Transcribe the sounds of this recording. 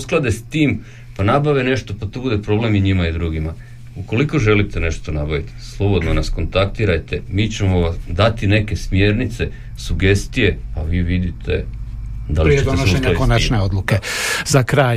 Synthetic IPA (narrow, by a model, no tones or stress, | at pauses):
usklˠad̪est̪iːm | panabaʋine̞ʃt̪o̞pat̪obud̪e̞pɾo̞ble̞miɲimaid̪ɾuɡima | uko̞liko̞ʒe̞lit̪e̞ne̞ʃt̪o̞nabaʋit̪i̥slˠo̞bo̞d̪nonasko̞nt̪akt̪iːɾajt̪e̞miːt͡ɕe̞moʋad̪at̪ine̞ke̞smje̞ːɾnit̪se̞ | suɡe̞st̪ije̞pa̰ʋiːʋid̪it̪ʰe̞̰ | d̪alɾeenoʃueɲlaakonat͡ʃneod̪lˠukezakɾaːj